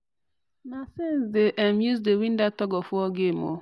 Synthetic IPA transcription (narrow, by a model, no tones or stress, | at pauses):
nasesdeʔɛmjuzdewĩn̩datɔɡɔfʊɔɡemo̰